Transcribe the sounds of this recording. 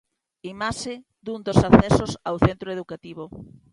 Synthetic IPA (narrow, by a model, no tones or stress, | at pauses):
imaʃe | d̪und̪osaθɛsosawθent̪ɾoeð̞ukat̪iβo